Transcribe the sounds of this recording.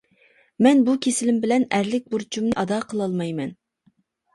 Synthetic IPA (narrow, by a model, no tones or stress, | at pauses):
mɛnbukʲʰesɪlɪmbɪlɛnæɾlɪk̚ʲbuɾt͡ʃʰumnɨʔɑd̪ɑːqʰəlˠɑlˠmɑjmɛn